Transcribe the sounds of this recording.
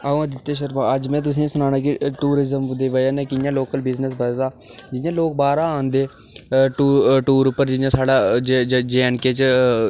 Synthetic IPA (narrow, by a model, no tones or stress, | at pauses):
aõãd̪ɪt̪ːeːʃ̬əɾmãːəd͡ʒmɛ̃ːt̪̬ʊs̬ĩːsʊnaːnãːk̬iʈuːɾɪzəmd̪eːʋəaːnɛ̃ːkɪjãːloːkəlbɪznəs̬bəd̪aːd͡ʒɪjãːloːk̚baːɾaːaːnd̪eː | ʈuːʈuːɾʊpːəɾd͡ʒɪjãːsaːɽaːd͡ʒed͡ʒeːɛɳkeːt͡ʃ